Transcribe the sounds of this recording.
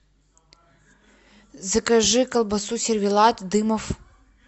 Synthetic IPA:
zɐkɐʐɨkɐlˠbɐsusʲɪrvʲilˠɑt̪ʲd̪ɨmɔf

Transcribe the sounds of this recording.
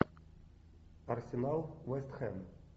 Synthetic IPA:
ɐrsʲenalˠwɛst̪xɛm

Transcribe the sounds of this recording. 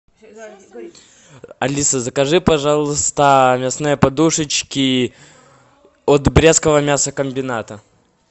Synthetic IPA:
ɐlʲisəzəkɐʐɨpɐʐalˠəst̪əmʲɛsnɨjəpɐd̪uʂɨt͡ɕkʲɪ | ot̪bɾʲeskəvəmʲasəkəmʲbʲɪnat̪ə

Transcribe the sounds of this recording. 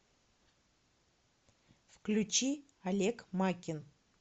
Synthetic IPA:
fklʲʉt͡ɕi | ɐlʲekmakʲɪn

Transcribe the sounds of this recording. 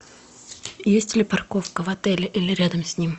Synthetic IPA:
jesʲtʲlʲɪparkofkəvɐt̪ɛlʲɪʔilʲɪɾʲad̪əmsʲnʲim

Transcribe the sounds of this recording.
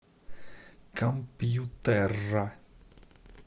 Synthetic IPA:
kampijut̪ɛra

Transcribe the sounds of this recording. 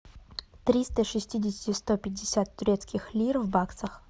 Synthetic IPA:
t̪ɾʲist̪əʂɨsʲtʲidʲɪsʲɪ̥tʲɪst̪opʲɪdʲːɪsʲat̪ːʊɾʲet̪skʲɪxlʲirvbaksəx

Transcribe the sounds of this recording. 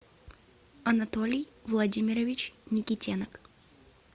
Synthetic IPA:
ɐnɐt̪olʲijvlˠɐdʲimʲɪɾəvʲɪt͡ɕnʲɪkʲɪtʲenək

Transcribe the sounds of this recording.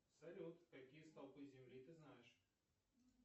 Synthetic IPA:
sɐɾʲot̪kɐkʲijəst̪alˠpɨzʲɪmlʲit̪ɨznajɪʂ

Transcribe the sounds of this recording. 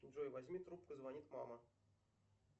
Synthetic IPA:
nʲʐojvɐzʲmʲit̪ɾup̚kəzʋɐnʲit̪mɑ̰mə

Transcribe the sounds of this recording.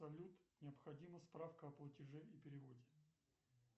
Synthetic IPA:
sɐlʲut̪nʲɪɐpxɐdʲiməspɾafkəɐplˠətʲɪʐɛipʲɪɾʲɪvodʲɪ

